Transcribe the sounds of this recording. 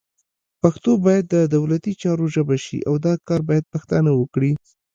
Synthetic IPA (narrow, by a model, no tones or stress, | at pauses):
paxt̪obɑjad̪ːəd̪awlat̪it͡ʃɑɾoʒəbaʃḭʔawd̪ɑkɑɾbɑjad̪̚paxt̪anawəkɽi